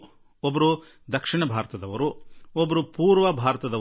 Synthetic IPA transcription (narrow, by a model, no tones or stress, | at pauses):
ɔbɐɾu | d̪ɐkʂiɳɐbʱaːɾt̪ɐd̪ɐʋɐɾuɔbɐɾupuːɾʋɐbʱaːɾɐt̪ɐd̪ɐ